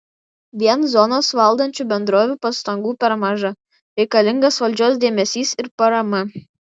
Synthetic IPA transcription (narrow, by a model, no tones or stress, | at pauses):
ʋʲiɛnzɔnoːsʋɐlˠd̪ɐnʲt͡ʃʲuːˑbʲɛnd̪ɾoːʋʲuːpɐst̪ɐŋɡuːpʲɛɾmɑʒɐ | ɾʲɛɪkɐlʲɪŋɡɐsʋɐlʲd͡ʒʲoːs̬d̪ʲeːmʲɛsʲiːsɪɾpɐɾɐmɐ